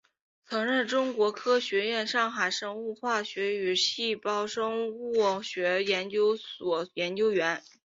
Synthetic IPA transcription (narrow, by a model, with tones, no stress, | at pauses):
t͡sʰɤ˧˥ŋɻə˥˩nʈ͡ʂʊ˥ŋkwɔ˧˥kʰɤ˥ɕɥɛ˧˥jɛ˥˧nʂɑ˥˩ŋxa˨˩ɪʂɤ˥ŋu˥˧xwa˥˩ɕɥɛ˧˥y˨˩ɕi˥˩pɑ˥ʊʂɤ˥ŋ˥˩ɕɥɛ˧˥jɛ˧˥nt͡ɕjo˥ʊswɔ˨˩jɛ˧˥nt͡ɕjo˥ʊɥɛ˧˥n